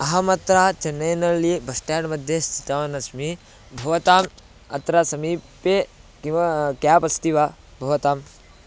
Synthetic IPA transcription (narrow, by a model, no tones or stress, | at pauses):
ɐɦɐmɐt̪ɾaːt͡ʃɐnːɐjnɐɾlibɐsʈaːɖmɐd̪ʱjest͡ʃit̪aʋɐnɐsmi | bʱɐʋɐt̪aːm | ɐ̰t̪ɾasɐmiːpekikjaːpɐst̪iʋa | bʱɐʋɐt̪aːm